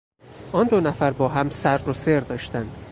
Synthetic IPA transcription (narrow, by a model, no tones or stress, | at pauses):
ʔɒːnd̪onæfæɾbɒːɦæmsæɾɾoseɾd̪ɒːʃt̪ænd̪̥